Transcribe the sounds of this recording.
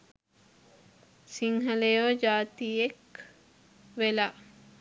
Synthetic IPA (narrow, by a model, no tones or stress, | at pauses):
siŋɦɐlejoːd͡ʒaːt̪iek | ʋela